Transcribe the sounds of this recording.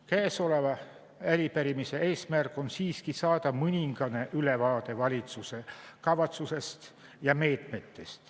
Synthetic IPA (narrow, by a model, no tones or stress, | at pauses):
kæːso̞le̞vɑ | æɾipæɾimise̞ʔe̞ːsmærkˑo̞nsiːskisɑːd̪ɑmɯnʲiŋɡ̥ɑne̞ʔylevɑːt̪e̞vɑlʲit̪suse̞kɑvɑt̪suse̞st̪ | jɑme̞ːt̪me̞t̪ːe̞st̪